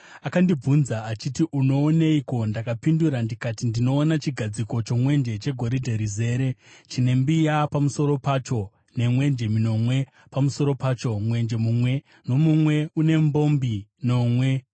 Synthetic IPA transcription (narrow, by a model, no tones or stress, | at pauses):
akandib͡vunzaat͡ʃitiʔuno̞ːneiko̞ndakapinduɾandikatindino̞ːnat͡ʃiɡʱad͡ziko̞t͡ʃo̞mwe̞nd͡ʒe̞t͡ʃe̞ɡʱo̞ɾidʱeɾize̞ːɾe̞t͡ʃine̞mbijapamuso̞ɾo̞paːt͡ʃo̞ | ne̞mwe̞nd͡ʒe̞mino̞mwe̞ | pamuso̞ɾo̞paːt͡ʃo̞mwe̞nd͡ʒe̞mumwe̞ | no̞mumwe̞une̞mbo̞mbino̞mwe̞